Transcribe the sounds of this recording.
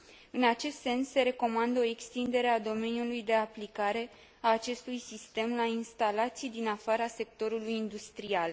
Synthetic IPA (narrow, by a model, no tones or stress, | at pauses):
ɨnat͡ʃe̞st̪se̞nsːe̞ɾe̞ko̞mand̪əo̞e̞kst̪ind̪e̞ɾe̞ad̪o̞me̞nijulujd̪e̞aplikaɾe̞ | aːt͡ʃe̞st̪ujsist̪e̞mlainst̪alat̪sijd̪inafaɾase̞k̚t̪o̞ɾulujind̪ust̪ɾial